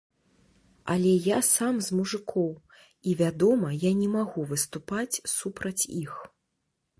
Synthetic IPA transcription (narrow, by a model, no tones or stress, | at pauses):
ɐlʲɛjasamzmuʐɨkʰɔw | ivʲad̪ɔmɐjanʲɛmaɣuvɨst̪upat͡sʲsupɾɐt͡sʲix